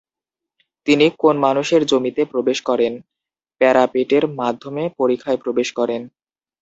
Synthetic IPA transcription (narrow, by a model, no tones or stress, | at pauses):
t̪inikonmanuʃeɾd͡ʑomit̪epɾobeʃkɔɾen | pɛɾapeʈeɾmad̪ʱːomepoɾikʰːaepɾobeʃkɔɾen